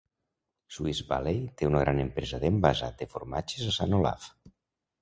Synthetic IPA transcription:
suizβa̰lejt̪eunəɣɾʔanempɾezaðembazat̪̚efoɾmat͡ʃezasanola̰f

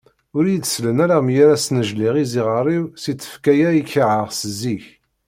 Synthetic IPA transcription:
ʊɾjət͡sːslənæɾamjæɾæsnəʒliʁiziʁəɾˤiwsit͡sːə̥fkæjæiçʕəʁsəziç

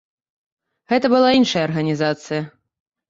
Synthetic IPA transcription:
ɣɛt̪ɐbɨlˠainʂɐjɐɐrɣɐnʲizat̪sɨjɐ

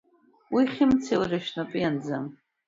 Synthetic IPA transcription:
wiχʲɪmt͡sʰelrɨʃnapʼiand͡zam

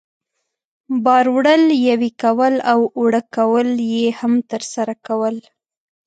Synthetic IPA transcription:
bɑɾwɽəljawikawəlawwwɽəkawəljehamt̪əɾsaɾakawəl

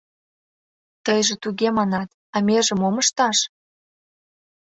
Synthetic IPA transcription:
t̪əjʒĕt̪uɣemɑnɑt̪ | ɑmeʒə̆moməʃt̪ɑʃ

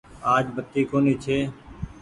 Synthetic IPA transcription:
aːd͡ʒbət̪ːiːkoːniːt͡ʃʰeː

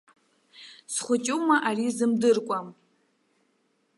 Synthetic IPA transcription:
sχʷʊt͡ʃʲʼumaʔarizɨmdɨrkʷʼam

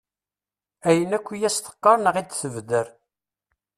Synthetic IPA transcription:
æjənækʷːijæst̪ə̥qːɑɾˤnəʁid̪θəvd̪əɾ

